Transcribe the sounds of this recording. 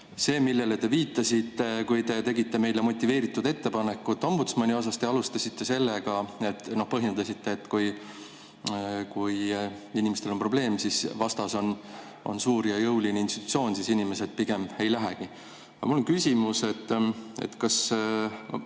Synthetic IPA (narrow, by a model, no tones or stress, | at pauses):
se̞ːmilːe̞le̞t̪e̞viːt̪ːˑɑsʲit̪ːe̞kujt̪e̞t̪e̞ɡit̪ːe̞me̞jlemo̞t̪ʲːˑive̞ːɾit̪ːˑud̪e̞t̪ːe̞pɑnekːˑut̪ːˑo̞mbut̪smɑnʲio̞s̬ɑst̪e̞ɑlust̪ɑsʲit̪ːe̞se̞lːeɡ̥ɑe̞t̪ːno̞hpɤ̞ɦjend̪ɑsit̪ːe̞ːt̪ːˑkuj | kujinʲimest̪elo̞npro̞ble̞ːmsisvɑst̪ɑso̞n | o̞̰nsuːɾjɑjɤwlineinst̪it̪ːˑut̪sio̞ːnsisinime̞se̞d̪̥̚piɡ̥e̞me̞jlæɦeki | ɑmulːo̞nkysʲimuse̞t̪ːḛt̪ːkɑs | o